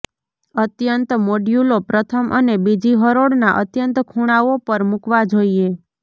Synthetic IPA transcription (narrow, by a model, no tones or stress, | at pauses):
ət̪jənt̪moɖjulopɾət̪ʰəmʔə̰nebid͡ʒiɦəɾoɽnaʔət̪jənt̪kʰuɽ̃aʋopəɾmukʋad͡ʒoie